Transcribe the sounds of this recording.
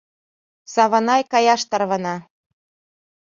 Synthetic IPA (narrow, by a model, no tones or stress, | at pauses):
sɑβɤ̆nɑjkɑjɑʃt̪ɑrβɤnɑ